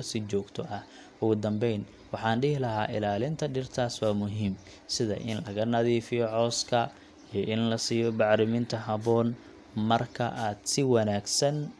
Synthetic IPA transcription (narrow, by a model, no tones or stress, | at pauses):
sɪt͡ʃɔːɡt̪ʰɔʔɐh | ʔʊɣʊd̪ɐmbɛjn | wɑħɑːnɖɪhlɐɦa̰ːʔɪlaːlɪnt̪ʰɐɖɪrt̪ʰaːswaːmʊɦiːm | sɪðɐ̰ʔɪ̰nlɐɣɐnɐðiːfɪjɔʕɔːskʰɐ | ijɔʔɪnlɐsiːjɔbɑʕɾɪmɪnt̪ʰɐɦɐβɔːn | mɐrkʰɐ̰ʔaːd̪̥sɪwɐnaːɡsɐn